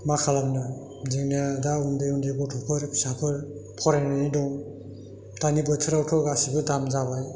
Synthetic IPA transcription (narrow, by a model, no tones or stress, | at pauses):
makʰalamna | ziŋnadaundɯjundeɡɔtʰɔpʰɯɾsapʰɯɾpʰɔɾajnanidɔŋ | tanibɯtʰɯɾawtʰɔɡasibɯdamzabaj